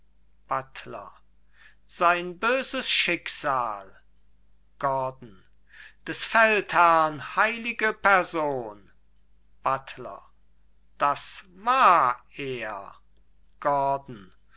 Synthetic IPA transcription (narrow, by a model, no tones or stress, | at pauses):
b̥atʰlɐ̰ | z̥aɪnbøːzəsʃɪkz̥aːl | ɡ̥ɔɐdn̩ | d̥ɛsfɛlthɛɐnhaɪlɪɡəpɛɐzoːn | b̥atʰlɐ̰ | d̥asvaːɐeːɐ | ɡ̥ɔɐdn̩